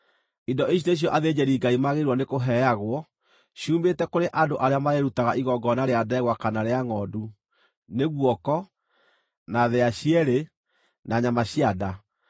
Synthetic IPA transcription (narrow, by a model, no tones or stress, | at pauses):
indɔiɕ̬ineɕ̬jɔʔaðed͡ʑɛɾiːŋɡaimaɣeɾwɔnekoɦɛjaɣwɔ | ɕuːmbetɛkoɾeʔandoʔaɾeamaɾeɾutaɣaʔiɣɔɡɔnaɾeadɛɛɣwakanaɾeaŋɔːdu | neɣwɔkɔ | naðeaɕiɛɾe | naɲamaɕiada